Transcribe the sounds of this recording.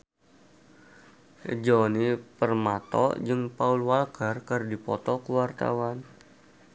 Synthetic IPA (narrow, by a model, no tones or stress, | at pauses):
d͡ʒɔnipərmat̪ɔ̰d͡ʒɨŋpaulwalkərkərdipɔt̪ɔkəwart̪a̰wan